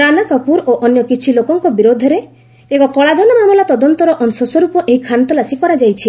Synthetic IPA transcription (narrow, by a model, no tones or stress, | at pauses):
ɾanakɔpuɾoʔɔnjɔkit͡ʃʰilokɔŋkɔbiɾod̪ʱɔɾe | ekɔkɔɭad̪ʱɔnɔmamulat̪ɔd̪ɔnt̪ɔɾɔʔɔnsɔswɔɾupɔʔeɦikʰant̪ɔlasikɔɾad͡ʒajt͡ʃʰi